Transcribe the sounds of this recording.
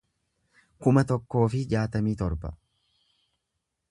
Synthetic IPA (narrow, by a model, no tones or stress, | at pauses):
kʊmɐt̪ɔkːo̞ːfɪd͡ʒaːt̪ɐmiːt̪ɔɾbɐ̰